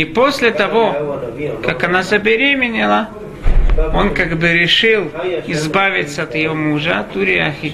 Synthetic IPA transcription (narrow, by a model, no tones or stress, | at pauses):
iposʲlʲɪt̪ɐvo̞ | kakɐnazəbʲɪɾʲemʲɪnʲɪlˠə | o̞nkaɡbɨɾʲɪʂɨlˠɪzbavʲɪt̪səɐt̪jɪjomuʐət̪uɾʲɪaxʲɪ